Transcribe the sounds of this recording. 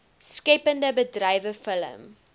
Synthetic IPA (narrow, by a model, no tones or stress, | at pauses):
skɛpəndəbədrɛjvəfələ̰m